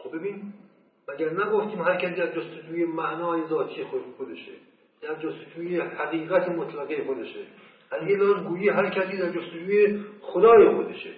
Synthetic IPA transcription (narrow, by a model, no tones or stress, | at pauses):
xobbebiːn | mæɟæɾnæɡoft̪iːmɦæɾkʰʲæsiːd̪æzd͡ʒost̪ed͡ʒuːjemæʔnɒːjezɒːt̪ʰijexod̪eʃḛ | d̪̥æɾd͡ʒost̪ed͡ʒuːjehæɣiːɣæt̪ʰemot̪ʰlæɣejexod̪e̞ʃe | ʔænjed̪ɒːnɡuːjiɦæɾkʰæsiːd̪æɾd͡ʒost̪ed͡ʒuːjexod̪ɒːje̞xod̪eʃe